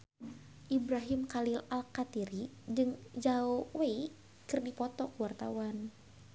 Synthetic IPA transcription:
ʔibɾaɦimkalilalkat̪iɾi | d͡ʒɨŋd͡ʒaɔwei | kɨrdipɔt̪ɔkuwart̪a̰wan

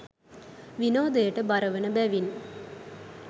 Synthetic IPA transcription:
ʋinoːd̪əjəʈəbaɾəʋənəbæʋinːu

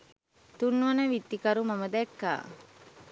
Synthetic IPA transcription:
t̪unːuʋɐnəʋit̪ːikaɾumaməd̪ɛkːa̰ː

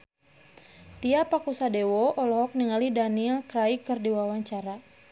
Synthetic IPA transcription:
t̪iapakusadewɔɔlɔɦɔk̚niŋalidaniɛlkɾaikɨrdiwawaɲt͡ʃaɾa

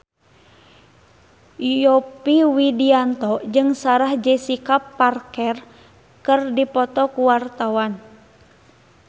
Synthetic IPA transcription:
ɔpiwidiant̪ɔd͡ʒɨŋsaɾahd͡ʒɛsikapːarkɛr | kɨrdipɔt̪ɔkuwart̪awan

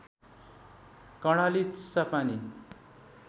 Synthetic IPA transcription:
kʌɽ̃alit͡ssapani

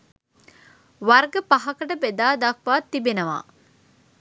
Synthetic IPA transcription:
ʋɐrɡəpaɦɐkəʈəbed̪aːd̪ɐk̚ʋaːt̪ːibenəʋa̰ː

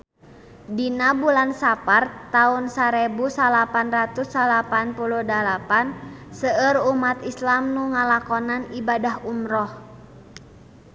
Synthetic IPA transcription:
dinabulansapart̪aunsaɾɛbusalapanrat̪usalapanpuluhdalapansəərumat̪islamnuŋalakɔnanibadahumɾɔh

